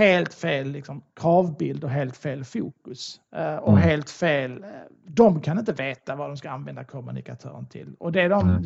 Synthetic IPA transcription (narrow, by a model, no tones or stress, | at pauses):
heːlt̪feːlːɪksɔmkʰɾɑːvbɪld̪ɔɦeːlt̪feːlfuːkɵsɔɦeːlt̪feːl | d̪ɔmkʰanɪnt̪əveːt̪avad̪ɔmskaanvɛnd̪akʰɔmːɵ̰nɪ̰kat̪ʰœ̰ːɾənt̪ʰɪ̰lːɔd̪ɛːd̪ɔm